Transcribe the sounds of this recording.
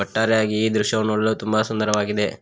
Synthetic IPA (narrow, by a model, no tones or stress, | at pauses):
ɐʈːaːɾɛjaːɡiːd̪ɾuʃjɐʋɐnːuɭlut̪umbɐsund̪ɐɾɐʋaːɡid̪e̞